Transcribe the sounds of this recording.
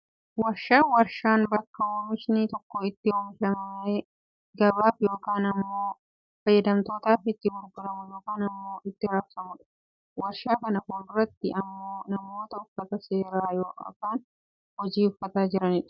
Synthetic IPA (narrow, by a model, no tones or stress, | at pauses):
wɐɾʃaːwɐɾʃaːnbɐkːɐwomɪʃnit̪ɔkːɔɪt̪ːɪoːmɪʃɐmɐme | ɡɐbaːfjo̞ːkaːnɐmːo̞ː | fɐjːɐd̪ɐmt̪o̞ːt̪aːfɪt̪ːɪbʊɾɡʊɾɐmʊjo̞ːkaːnɐmːo̞ːʔɪt̪ːɪɾɐfsɐmʊᶑɐ̥ | wɐɾʃaːkɐnɐkoːʊrɐt̪ːɪʔɐmːo̞ːnɐmo̞ːt̪ɐʊfːɐt̪ɐse̞ːɾaːjo̰ːkaːn | hɔd͡ʒiːʊfːɐt̪aːd͡ʒɪɾɐnɪᶑʊ̥